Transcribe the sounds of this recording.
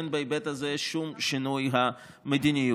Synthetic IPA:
enbeebet̪azeʃumʃinujɦa | med̪iniju

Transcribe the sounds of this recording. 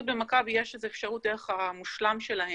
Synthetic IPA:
bemakabijeʃezeːfʃaʁut̚d̪eʁeχamuʃlamʃelahe

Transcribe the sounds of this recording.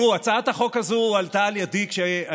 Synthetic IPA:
uat͡sat̪haχo̞kazualt̪aljad̪ikʃea

